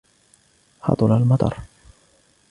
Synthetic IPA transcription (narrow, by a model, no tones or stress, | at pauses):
hɑ̰t̪ˤʊlalmɑt̪ˤɑ̰ɾˤ